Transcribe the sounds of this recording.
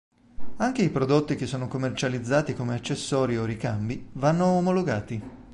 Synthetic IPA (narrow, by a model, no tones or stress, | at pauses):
aŋkeipɾod̪ot̪ːik̟esːoːnokomːert͡ʃalid̪zːaːt̪ikomeat͡ʃːesːɔːɾiorikambivanːoːmoloɡaːt̪i